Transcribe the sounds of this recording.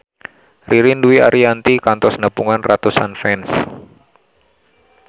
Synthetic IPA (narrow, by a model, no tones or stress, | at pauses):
riɾinduia̰ɾiant̪ikant̪ɔsnəpuŋanrat̪usa̰nfɛns